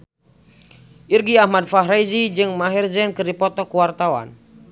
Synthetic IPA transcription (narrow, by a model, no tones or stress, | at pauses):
ʔirɡiahmad̚faɦɾajzid͡ʒɨŋmaɦirzɛnkɨrdipɔt̪ɔkuwart̪awa̰n